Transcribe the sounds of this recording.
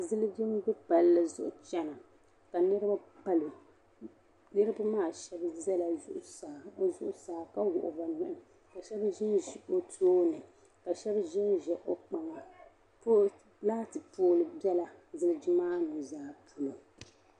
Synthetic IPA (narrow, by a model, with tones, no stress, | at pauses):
zɪ˦lɨ˦d͡ʒɪ˦mɡɨ˦pa˨llɨ˨zʊ̰˦ʔʊ˨t͡ʃɛ˦na˨ | ka˨nɨ˦ɾɨ˦ba˦pa˦lo˨ | nɨ˦ɾɨ˦ba˦maː˦˨ʃɛ˦bzɛ˦la˨zʊ̰˦ʔʊ˨sa˨zʊ˦ʔʊ˨saː˨˦˨ka˦wʊ̰˨ʔʊ˨ba˨nɪ˦˨ʔɪ˨ | ka˨ʃɛ˦bʒɪ˦nʒi˨ʔo˦tʰoː˦nɨ˨ | ka˨ʃɛ˦bʒɪ˦nʒɛ˨ʔo˨k͡pa˨ŋɔ˨ | po˦ | laː˦tɨ˨poː˦lɨ˨bɛ˦la˨zɨ˦lɨ˦d͡ʒɪ˦maː˦nu˨zaː˦˨pʰu˨lo˨